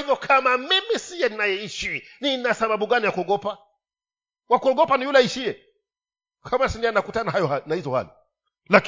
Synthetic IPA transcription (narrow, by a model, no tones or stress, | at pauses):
vjɔkʰamamimisijɛninajɛiʃininasaɓaɓuɡanijakuɔɡɔpa | wakuɔɡɔpanijulɛiʃiɛ | kʰamasindiannakutanahajɔnahizɔha̰li | lak